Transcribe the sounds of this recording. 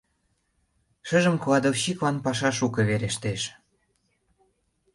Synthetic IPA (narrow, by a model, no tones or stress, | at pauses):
ʃəʒəmklɑd̪ofɕiklɑnpɑʃɑʃukeβeɾeʃt̪eʃ